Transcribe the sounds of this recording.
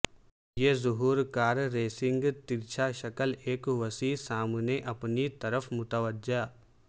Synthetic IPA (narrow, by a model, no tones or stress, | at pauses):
jeːzʊɦuːɾkaːɾɾeːsɪ̃ŋɡt̪ɪɾt͡ʃʰaʃɐkəleːkʋəsisaːmneʔɐpnit̪ɐɾəfʰmʊt̪əʋəd͡ʒa